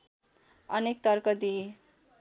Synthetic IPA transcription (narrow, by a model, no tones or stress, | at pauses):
ʌnek̚t̪ʌrkʌd̪i